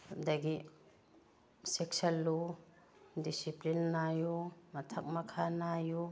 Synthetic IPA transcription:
had̪aɡi | seksɐlːu | disiplinːajumɐt̪ʰɐk̚mɐkʰanaju

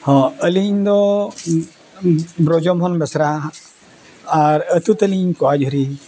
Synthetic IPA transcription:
hɔ̃əliɲd̪ɔ | bɾɔd͡ʒɔmɦɔnbɛsɾa | ɾət̪ut̪əliɲkɔad͡ʒɦɔɾi

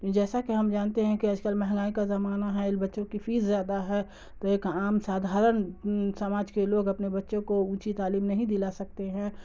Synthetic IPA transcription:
d͡ʒɛːsakiɦɐmd͡ʒaːnt̪eɦɛ̃kiɐd͡ʒkəlmɛɦɛ̃ŋɡaːikazɐmaːnaɦɛɪlbɐtːʃõkifʰiːzːjaːd̪aɦɛ | t̪oeːkaːmsaːd̪ʱaːɾənsɐmaːd͡ʒkeloːɡɐpnebɐtːʃõkoũːt͡ʃit̪aːliːmnɐɦĩd̪ɪlasɐk̚t̪eɦɛ̃

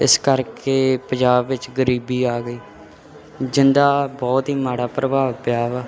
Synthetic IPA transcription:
ɪskəɾkeːpə̃d͡ʒaːbːɪt͡ʃɡəɾiːbiːaːɡəiː | d͡ʒɪnd̪aːbɔːt̪ɦiːmaːɽaːpɾəbaːʋpjaːʋɛː

